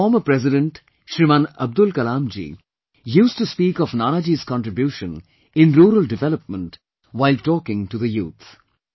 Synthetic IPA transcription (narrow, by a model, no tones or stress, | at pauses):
fɔːməpɾɛzɪɖə̃ɳʈ | ʃɾimãnəb̚d̪ʊlkɐlãːmd͡ʒḭː | juːsʈuspiːkɔfnaːnad͡ʒiz̥kɔ̃nʈɾɪbjuːʃə̃n | ɪ̃nɾuːɾəlɖɪʋɛləp̚mə̃nʈ | ʋaɪlʈɔːkɪ̃ŋʈud̪əjṵːt̪ʰ